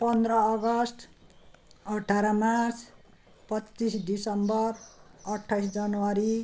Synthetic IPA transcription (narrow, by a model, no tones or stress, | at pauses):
pʌnd̪rʌːɡʌsʈ | ʌʈʰaɾamat͡sʰ | pʌt͡sːisdisʌmbʌrʌʈʰːajsd͡zʌnwaɾi